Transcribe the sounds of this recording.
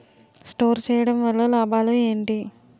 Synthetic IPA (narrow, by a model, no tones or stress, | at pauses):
sʈo̞ːɾt͡ʃɛːjɐɽɐmʋɐlːɐlaːbaːlueːɳʈi